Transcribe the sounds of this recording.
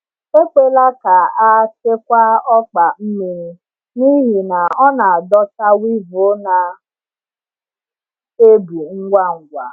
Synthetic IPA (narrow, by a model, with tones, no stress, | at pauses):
e˦k͡pe˦la˦ka˨a˦se˦kʷa˦ɔ˦k͡pa˨m̩˦mi˨ɾ̩˦ | ni˦ɦi˨na˨ɔ˦na˨a˨dɔ˦ta˦wi˦vo˨˦na˨ | e˦bu˨ŋ̩˦ɡʷa˦ŋ̩˨ɡʷa˨